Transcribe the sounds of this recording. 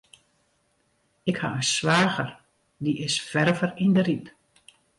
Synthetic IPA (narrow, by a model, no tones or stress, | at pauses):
ɪkha̰ənsʋaːɣər | diʔɪsfɛrvərindərip